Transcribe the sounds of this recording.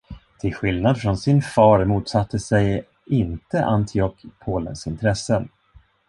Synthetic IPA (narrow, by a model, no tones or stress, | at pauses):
t̪ʰɪlɧɪlnad̪fɾɔnsɪnfɑːɾmuːt̪sat̪ːəsɛj | ɪnt̪əʔant̪ʰɪɔkpʰoːlə̰nsɪnt̪ʰɾɛsːən